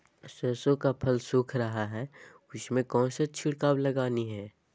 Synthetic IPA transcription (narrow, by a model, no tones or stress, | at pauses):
səːsõkapʰɐlsʊːkʰɾɐɦaɦɛː | ʊsmẽkɔ̃ːnsɐtːʃʰiɽkaːblɐɡaːniɦɛː